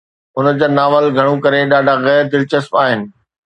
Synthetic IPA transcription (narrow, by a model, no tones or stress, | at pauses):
ʊnəd͡ʑaːnaːʋəlɡʱɐɽ̃ũkɐɾeɗaːɖʱaɣɛːɾd̪ɪlt͡ɕəspaːɦɪnɪ̆